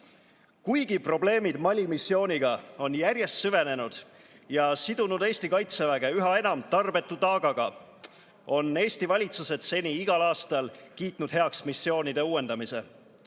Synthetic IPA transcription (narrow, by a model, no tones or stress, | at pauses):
kujɡ̥ipro̞ble̞ːmid̪̥mɑlʲimisːjo̞ːniɡ̥ɑo̞njæɾje̞st̪syve̞ne̞nud̪̥ | jɑsid̪̥unud̪e̞ːst̪ikɑjt̪se̞væɡ̥e̞yɦɑe̞nɑmt̪ɑrb̥e̞t̪ːut̪ɑːɡ̥ɑɡ̥ɑ | o̞nːe̞ːst̪ivɑlʲit̪suse̞d̪̥se̞nʲiiɡ̥ɑlɑːst̪ɑlkiːt̪nud̪̥he̞ɑksmisːjo̞ːnid̪e̞uːwe̞nd̪̥ɑmise̞̰